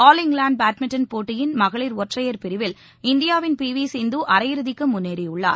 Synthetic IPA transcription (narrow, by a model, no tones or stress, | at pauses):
aːlɪŋɡlaːɳɖ̚baːʈmɪʈɐnpoːʈːɪjɪnmɐɣɐɭiɾɔɐʈrɐjɐɾpɪɾɪʋɪl | ɪnd̪ɪjaːʋɪnpiːʋiːseːnd̪uʔɐɾɐjɪɾɯðɪkːɯmʊnːeːɾɪjʊɭːa̰ːɾ